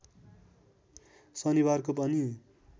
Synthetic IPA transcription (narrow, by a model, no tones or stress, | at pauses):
sʌnibarkopʌni